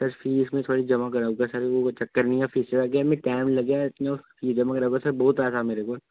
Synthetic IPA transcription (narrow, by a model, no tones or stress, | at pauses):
sɐɾfiːsmẽt̪ʰoːɽid͡ʒɐmakɐɾaɡasɐɾot͡ʃɐkːəɾnĩafiːəɾaɡamẽʈaːɪmlɐɡjaɪt̪nefiːd͡ʒɐmakɐɾaɡasɐɾbɔːʊt̪aːsameːɾekoːl